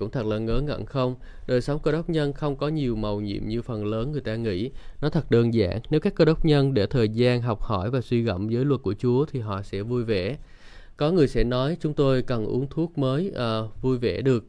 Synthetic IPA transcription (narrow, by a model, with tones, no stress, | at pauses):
ʊ̰˧˥ŋ͡mt̪ʰə˨˩ləː˨˩ŋəː˨˦nŋə̰˧˨nxə˧wŋ͡m | ɗəː˨˩jsa˨˦wŋ͡mkə˧ɗə˦˥wk͡p̚ɲə˧nxə˧wŋ͡mkɔ˨˦ɲi˨˩əwmə˨˩wɲḭ˧˨əmɲɨ˧fə˨˩nləː˨˦nŋɨ˨˩əjt̪aː˧ŋḭ˧˥˨nɔ˨˦t̪ʰə˨˩t̚ɗəː˧˩nza̰ː˧˥ŋne˨˦wkaː˦˥kːə˧ɗə˦˥wk͡p̚ɲə˧nɗe˧˩t̪ʰəː˨˩jzaː˧nɦɔ˨˩wk͡p̚hɔ˧˩jvaː˨˩swi˧ɣɔ̰˧˩˨wŋ͡mzəː˨˦jlwə˨˩t̚ku˧˩ət͡ɕu˨˦ət̪ʰi˨˩ɦɔ̰˧˨sɛ̰˧˥vu˧jvḛ˧˩˨ | kɔ˨˦ŋɨ˨˩əjsɛ̰˧˥nɔ˨˦jt͡ɕʊ˨˦ŋ͡mt̪o˧jkə˨˩nʔṵ˨˦əŋt̪ʰu˦˥ək̚məː˨˦jvu˧jvḛ˧˩ɗɨ˨˩ək̚